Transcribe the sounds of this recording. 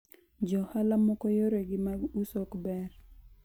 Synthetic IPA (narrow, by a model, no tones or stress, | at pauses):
d͡ʒɔhalamɔkɔjoɾeɡɪmaɡusɔkbɛr